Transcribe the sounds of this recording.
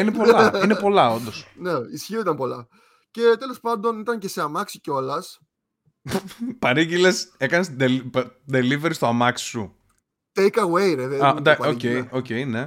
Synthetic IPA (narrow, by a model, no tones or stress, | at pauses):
inepo̞lɐine̞po̞lɐo̞nd̪o̞sneisçioit̪ɐmpo̞lɐ̰ | ce̞t̪e̞lo̞spɐnd̪o̞nit̪ɐnce̞seɐmɐksi̥ceo̞lɐs | pɐɾiɟilese̞kɐnesd̪elpd̪e̞liveɾist̪oamɐksi̥su | t̪ejkɐwejɾeðeɐd̪ɐoejo̞ce̞jne̞